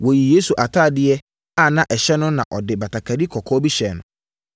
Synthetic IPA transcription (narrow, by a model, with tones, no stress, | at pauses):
wo˨ji˨je˦su˨ʔa˨tʰaː˦˨dɪ˦ɛ˦ | a˦˨nã˦ʔɛ˨ɕɛ˦nʊ̃˦nã̰˨ʔɔ˨dɪ˨ba˨tʰa˨kʰa˨di˦kʰɔ˨kʰɔ˦bi˦ɕɛ˨nʊ̰̃˨